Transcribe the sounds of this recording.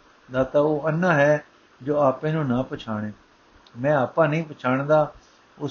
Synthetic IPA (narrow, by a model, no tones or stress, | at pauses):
d̪aːt̪aːoːənːãːɦɛː | d͡ʒoːaːpẽːnũːnãːpət͡ʃʰaːɽẽː | mɛ̃ːaːpãːnəĩːpət͡ʃʰaːɳ̃d̪aː | ʊ